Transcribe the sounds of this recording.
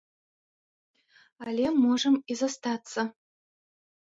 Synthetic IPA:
alʲemːoʐəmizɐst̪ɑt͡sːə̆

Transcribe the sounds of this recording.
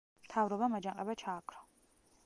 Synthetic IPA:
mt̪ʰaːvɾɔbɐmɐd͡ʒɐqʼɐbɐt͡ʃʰaːkʰʼɾɐ

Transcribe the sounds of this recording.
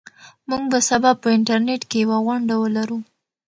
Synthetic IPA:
muɡbasabab̚pəɪɳʈaɾneʈkejawaɣwaɳɖawəlaɾu

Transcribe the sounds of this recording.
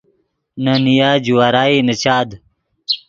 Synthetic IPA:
nɐnijaːd͡ʑuwaːɾaːiːnɐt͡ɕaːd̪

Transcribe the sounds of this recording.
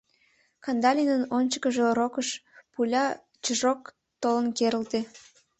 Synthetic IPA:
kɑnd̪ɑlʲinənonʲt͡ɕə̥kəʒeɾokəʃpulʲɑ | t͡ɕəʒok | t̪olənkeɾəlt̪e

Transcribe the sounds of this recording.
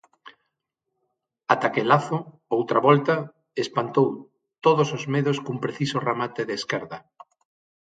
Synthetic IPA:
at̪akelaθʊ | owt̪ɾaβɔlt̪ɐ | espant̪ow | t̪oð̞osozmeðoskumpɾeθisʊramat̪eðeːskɛɾðɐ

